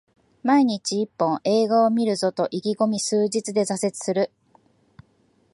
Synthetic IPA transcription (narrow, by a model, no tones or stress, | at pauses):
maiɲ̟it͡ɕiːpːõ̞ʔe̞ːɡaomʲiɾɯ̟zo̞t̪o̞ʔiɡʲiɡo̞mʲisɨːʑit͡sɨd̪e̞zase̞t͡sɨ̥sɨɾɯ̟